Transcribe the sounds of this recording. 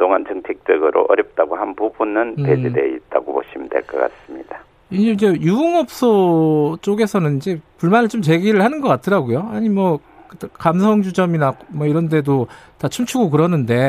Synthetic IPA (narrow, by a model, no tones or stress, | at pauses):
toŋant͡ɕɯŋtʰek̚t͡ɕ͈ʌɡɯɾʔo̰ʔʌɾjʌp̚t͈aɡohanpubunɯnted͡ʑideit̚t͈a̰ɡopo̰ɕʰimidwḛɭk͈ʌk͈a̰s͈ɯmɲida | ind͡ʑeid͡ʑe̞juuŋʌp̚s͈ʌt͡ɕ͈oɡe̞sʰʌnɯnid͡ʑe̞puɭmanɯɭt͡ɕomt͡ɕe̞ɡiɾɯɭhanɯnɡʌk͈atʰɯɾaɡojoaɲimʌ | kɯtkamsʰʌŋd͡ʑud͡ʑʌminakmʌiɾʌnde̞dotat͡ɕʰumt͡ɕʰuɡokɯɾʌnːɯnde̞